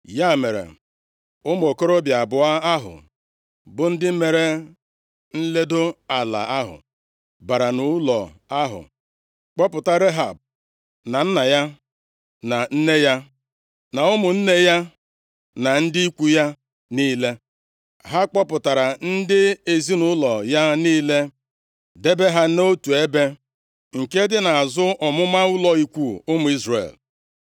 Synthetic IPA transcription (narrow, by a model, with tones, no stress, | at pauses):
ja˦˨me˨ɾḛ˨ | ʊ˦m˨o˨ko˦ɾo˦bja˨bʊ˨a˦a˦ɦʊ̰˨ | bʊ˨n̩˦dɪ˦me˨ɾe˨ | n̩˦le˦do˦a˨la̰˨a˦ɦʊ̰˨ | ba˨ɾa˨nʊ˨˦lɔ̰˨ | a˦ɦʊ̰˨ | k͡pɔ˦pʊ˨ta˦ɾe˦ɦa˨b̚ | na˨n̩˦na˨ja˦ | na˨n̩˦ne˦ja˦ | na˨ʊ˦mʊ˨n̩˦ne˦ja˦ | na˨n̩˦dɪ˦i˦kʷu˦ja˦ | niː˦le˦ | ɦa˦k͡pɔ˦pʊ˨ta˨ɾa˨n̩˦dɪ˦e˨zi˦nʊ˨˦lɔ˨ja˦niː˦le˦ | de˦be˦ɦa˦no˦tu˨e˦be˦ | ŋ̩˨ke˦dɪ˦na˨a˨zʊ˦ɔ˨mʊ˦ma˦ʊ˦lɔ˨i˨kʷu˨ʊ˦mʊ˨˦i˦zrḛ˨l